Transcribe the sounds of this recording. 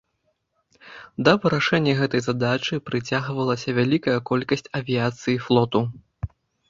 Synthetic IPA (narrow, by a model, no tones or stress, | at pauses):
d̪ɐvɨɾaʂɛnʲːɐɣɛt̪ɐjzad̪at͡ʂɨpɾɨt͡sʲaɣvɐlˠɐsʲɐvʲalʲikɐjɐkɔlʲkɐsʲt͡sʲɐvʲijat̪sɨjiflˠɔt̪u